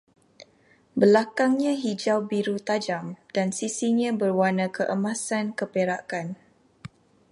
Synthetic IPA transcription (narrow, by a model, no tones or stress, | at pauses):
bəlakaŋɲãɦid͡ʒawbiɾut̪ad͡ʒamd̥ansisiɲãbərwanãkəʔəmãsankəpeɾakan